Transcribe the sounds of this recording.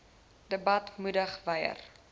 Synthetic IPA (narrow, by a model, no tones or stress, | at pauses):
d̥əbɐtmudəχvəjə̰r